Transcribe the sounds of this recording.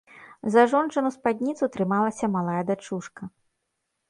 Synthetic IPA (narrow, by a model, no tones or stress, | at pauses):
zaʐɔnt͡ʂɨnuspad̪ʲnʲit̪sut̪ɾɨmalˠɐsʲɐmalˠajɛd̪at͡ʂuʂkɐ